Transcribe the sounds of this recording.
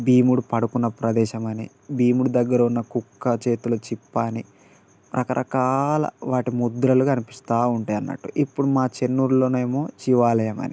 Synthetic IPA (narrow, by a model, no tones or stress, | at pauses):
biːmuɽupɐɽukunːɐpɾɐd̪ɛːʃɐmɐni | biːmuɽud̪ɐɡːɐɾɐunːɐkukːɐt͡ʃe̞ːt̪ulut͡ʃipːaːni | pɾʔɐkɐɾʔɐ̰kaːlɐ̰ʋaːʈimud̪ɾɐlukɐnipi̥st̪aːuɳʈɐjɐnːɐ̰ʈːuʔipːuɽumaːt͡ʃe̞nːuɾlo̞ːneːmo̞ːt͡ʃiʋaːlɐjɐmɐ̰ni